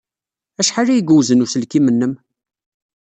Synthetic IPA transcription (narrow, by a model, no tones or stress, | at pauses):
æʃħalːæjɡuwzənusəlkimənːəm